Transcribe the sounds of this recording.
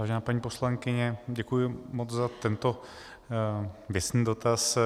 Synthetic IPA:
vaːʒɛnaːpaɲiːpo̞slaŋkɪɲɛɟɛkujɪmot͡szat̪ɛnt̪o | vjɛsniːdo̞t̪as

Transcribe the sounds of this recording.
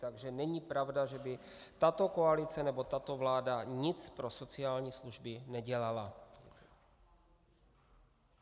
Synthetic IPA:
t̪aɡʒɛnɛɲipɾavdaʒɛbɪ | t̪at̪o̞koalɪt͡sɛnɛbo̞t̪at̪o̞vlaːdaɲɪt͡spɾo̞so̞t͡sɪaːlɲiːsluʒbɪnɛɟɛlala

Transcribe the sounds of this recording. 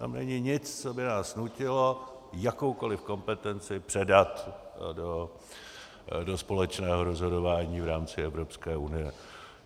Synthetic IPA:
t̪a̰mnɛ̰ɲɪɲɪt͡st͡so̞bɪnaːsnucɪlo̞ | jako̞wko̞lɪfko̞mpɛt̪ɛnt͡sɪpr̥ɛdat̪do | do̞spo̞lɛt͡ʃnɛːɦo̞ɾozɦo̞do̞vaːɲiːvɾaːmt͡sɪɛvɾo̞pskɛːunɪjɛ

